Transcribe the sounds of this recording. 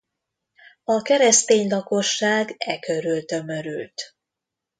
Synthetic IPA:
ɒkɛɾɛst̪eːɲlɒko̞ʃːaːɡɛkøɾylt̪ømø̞ɾy̰lt̪

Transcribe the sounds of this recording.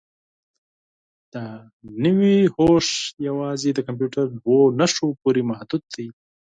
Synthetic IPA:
d̪̥ə | nəwihoʃjawɑzed̪əkamp̬juʈaɾd̪wonaʃopoɾimahd̪ud̪̚ːaj

